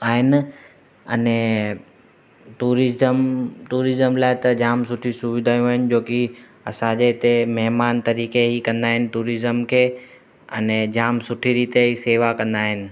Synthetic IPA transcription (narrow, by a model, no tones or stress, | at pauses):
aːɦɪnɪ | ɐnɛ | ʈuːɾɪzəmtuːɾɪzəmlaːɪt̪ɐd͡ʑaːmsʊʈʰisʊʋɪd̪ʱaːjũɦaːɦɪn̆d͡ʑoːki | ɐ̰sãd͡ʑeɪt̪emɐɦmaːnt̪ɐɾiːkeɦikɐ̃nd̪aːɦɪnɪ̆ʈuːɾɪzəmkʰeː | ɐ̰nɛ̃d͡ʑaːmsʊʈʰiɾiːt̪eiseːʋakɐ̃nd̪aːɦɪnɪ̆